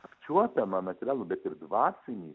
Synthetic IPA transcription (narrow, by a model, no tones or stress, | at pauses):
ɐkt͡ʃʲuɔt̪ʲɐmɐnɐt̪ʲɾʲaːlˠʊbʲɛt̪ɪɾd̪ʋɑːsʲɪnʲiː